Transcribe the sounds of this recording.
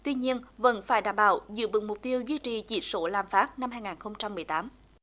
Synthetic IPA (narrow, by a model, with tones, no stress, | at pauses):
t̪wi˧ɲi˧ənvə̰˧˥nfaː˧˩jɗaː˧˩mɓa̰ː˧˩wzɨ̰˧˥ɓɨ̰˨˧˩ŋmʊ˨˩k͡p̚t̪i˧əwzwi˧t͡ɕi˨˩t͡ɕḭ˧˩so˧˦laː˨˩mfaː˦˥t̚na˧mhɦaː˧jŋaː˨˩nxə˧wŋ͡mt͡ɕa˧mː˨˩əjt̪aː˨˦m